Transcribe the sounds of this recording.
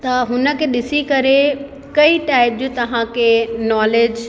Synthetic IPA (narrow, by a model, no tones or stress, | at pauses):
t̪ɐɦʊnə̆kʰeːɗɪsikɐɾe | kɐiʈaːɪp̚d͡ʑõːt̪ɐʋ̤ãkʰeːnɔːleːd͡ʑ